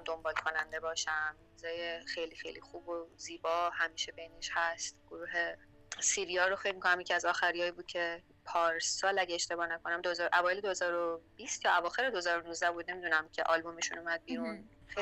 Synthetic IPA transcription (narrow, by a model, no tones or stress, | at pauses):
d̪ombɒːlkʰo̞nænd̪e̞bɒːʃæmɾuzɒːjexe̞jlixḛjlḭxuːboziːbɒːhæmiːʃebejneʃhæst̪ɡ̥oɾuːɦe̞ | siɾijɒːɾoxelmikʰonæmjecʰiæzɒːxæɾijɒːjibuːd̪̥̚cʰe̞ | pʰɒːɾsɒːlæɟeeʃt̪e̞bɒːnæko̞næmd̪oezɒːɾʔævɒːjeled̪ohezɒːɾob̥ist̪jɒːævɒːxe̞ɾed̪oezɒːɾonuzd̪æbuːd̪̚ne̞miːd̪uːnæmcʰeʔɒːlbo̞meʃṵnumæd̪̚biːɾune